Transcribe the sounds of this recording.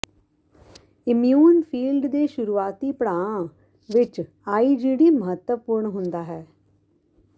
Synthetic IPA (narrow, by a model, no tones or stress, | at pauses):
ɪmjuːnpʰiːlɖd̪eːʃʊɾuːaːt̪iːpəɽãːã | ʋɪt͡ʃ | aːiːd͡ʒiːɽiːməɦət̪wəpʊɾɳɦʊnd̪aːɦɛː